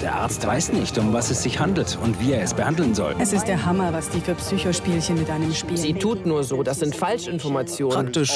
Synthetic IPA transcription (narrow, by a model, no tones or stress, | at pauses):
d̥eːɐʔa̰ɐt͡stv̥a̰ɪsnɪçtʊmvasɛsz̥ɪçhandl̩tʊntv̥iːeːɐɛsb̥əhandl̩nzɔ̰lɛsɪst̚d̥eːɐɦamɐvasd̥iːfyːɐpsyːçoʃpiːlçənmɪtʔaɪnəmʃpiːzziːtʰuːtnuːɐzoːdasz̥ɪntfalʃɪnfɔɐmat͡sjoːn̥əanktɪʃ